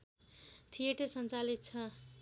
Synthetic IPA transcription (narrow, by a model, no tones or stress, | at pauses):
t̪ʰijeʈʌrsʌnt͡salit̪̚t͡sʰʌ